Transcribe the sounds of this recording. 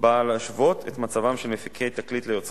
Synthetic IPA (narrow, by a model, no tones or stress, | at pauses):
balaʃvo̞tʰet̪mat͡savamʃelmefikʰejt̪aklit̪lejo̞t͡s